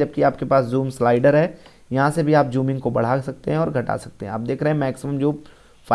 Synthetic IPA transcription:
d͡ʒɐb̚kiaːpkepaːszuːmslaːɪɖəɾɦɛː | jɐɦãsebʱiaːp̚d͡ʒuːmɪ̃ŋɡkobɐɽ̤aːsɐk̚t̪eɦɛ̃ɔːɾɡʱɐʈa̰ːsɐk̚t̪eɦɛ̃ɐp̚d̪eːkʰɾɐɦɛ̃mɛːksɪməmd͡ʒoː | fa

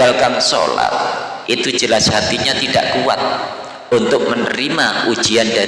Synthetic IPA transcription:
alkanso̰la̰t̪̚ | ʔit̪ud͡ʒəlasɦat̪iɲat̪idaʔkua̰t̪̚ | unt̪ʊk̚mənəɾimau̥d͡ʒ̥ianda

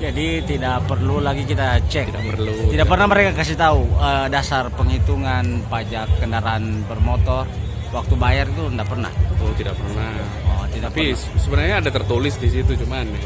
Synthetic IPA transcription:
d͡ʒadit̪idaʔpərlulaɡikit̪at͡ʃɛkt̪ida̰ərlut̪idakpərnaməɾekakasit̪auədasarpəŋhit̪uŋanpad͡ʒakːəndaɾanbərmɔt̪ɔr | wak̚t̪ubajarit̪uəndaʔpərna̰ht̪idaʔ̚pərnah | ɔt̪idapi | səbənarɲaːdat̪ərt̪ulɪsdis̬it̪ut͡ʃuman

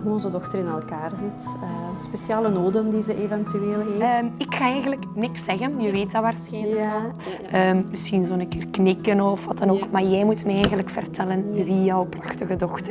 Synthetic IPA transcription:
ɦuɔnzədɔxtəɾɪnɛlˠkaːrzɪtəspesjaːlənoːdəndizəʔevɛntyeːlˠɦeːmɪkxaːɛjɣənləknɪksɛɣənjəʋeːtaʋaːrsxɛjnləkɛlʔəːmməsxinzoːənənkɪːrknɪkənɔfʋɑtɑnoːkmaːrjɛjmutmɛɛjɣənləkfərtɛlənʋijɔwprɑxtəɣədɔxtər

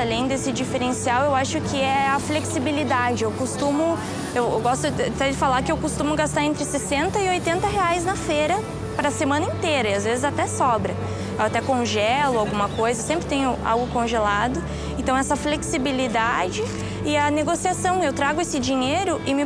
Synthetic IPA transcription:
alẽj̃d̪esɪd͡ʒifeɾẽsiawewaʃʊkʰɪɛɐfleksibilid̪ad͡ʒɪewkost̪ũmʊ | ewewɡɔst̪ʊat̪ɛd͡ʒɪfalaɾkɪewkost̪ũmʊɡast̪aɾẽnt̪ɾɪsesẽnt̪ɐɪojt̪ẽnt̪ɐɦeajznɐfeɾɐ | pɾɐsemɐ̃nɐĩnt̪ejɾɐɪazvezɪzat̪ɛsɔbɾɐ | ewat̪ɛkõʒɛlʊawɡũmɐkojzɐewsẽmpɾɪt̪ẽɲʊa̰wɡʊkõʒelad̪ʊ | ẽnt̪ɐ̃w̃ɛsɐfleksibilid̪ad͡ʒɪ | ɪɐneɡosiasɐ̃w̃ewt̪ɾaɡʊesɪd͡ʒiɲejɾʊʔɪmɪ

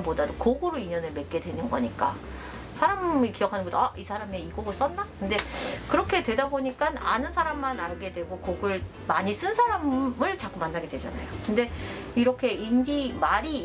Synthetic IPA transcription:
podadokoɡɯɾoiɲʌnɯɭme̞t̚k͈e̞dwe̞nɯnɡʌ̰ɲik͈a̰ | sʰaɾamikijʌkʰanɯŋɡʌt͈ʰoʌʔisʰaɾamiiɡoɡɯɭs͈ʌnːakɯnde̞kɯɾʌkʰe̞dwe̞daboɲik͈ana̰nɯnsʰaɾamːanaɭɡe̞dwe̞ɡokoɡɯɭ | maɲis͈ɯnsʰaɾamɯɭt͡ɕak͈umanːaɡe̞dwe̞d͡ʑa̰na̰jokɯndeiɾʌkʰe̞indimaɾi

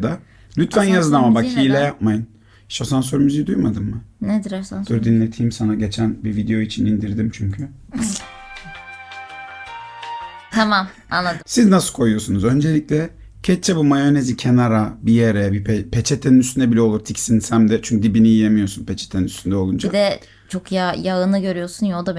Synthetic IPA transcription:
d̪a | lʲyt̪ʰvænjazɯd̪amabakʰiːjlʲɛjap̚majɯn | ʃosans̬oɾymyzid̪ujmad̪ɯmːɯned̪ɾd̪uɾd̪inlʲe̞t̪ʰijmsanaɟe̞t͡ʃʰænbivid̪ejo̞it͡ʃʰinind̪iɾd̪imt͡ʃʰyɲcʰy | t̪ʰamam | a̰nːˠad̪ɯsiznasɯ̥kʰo̞jujo̞sunuzø̞nd͡ʒe̞lʲic̚lʲɛ | cʰɛt͡ʃ̚t͡ʃʰːebumajo̞nezicʰenaɾabijeɾɛbipʰet͡ʃʰet̪ʰeninyst̪ʰynd̪ɛbilʲɛo̞lˠuɾt̪ʰicsinsæmd̪ɛt͡ʃʰyɲcyd̪ibiniijemijo̞sunpʰet͡ʃʰe̥t̪ʰeninyst̪ʰynd̪ɛo̞lˠund͡ʒiad̪ɛ | t͡ʃʰo̞kjajaɯnɯɟø̞ɾyjo̞sunjod̪ab

